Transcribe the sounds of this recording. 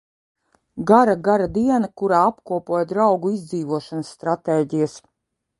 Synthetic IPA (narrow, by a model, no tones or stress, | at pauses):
ɡaɾaɡaɾad̪iɛnakuɾaːapkuɔpuɔjd̪ɾawɡuizd̪ziːvuɔʃanəsːt̪ɾat̪eːɟijas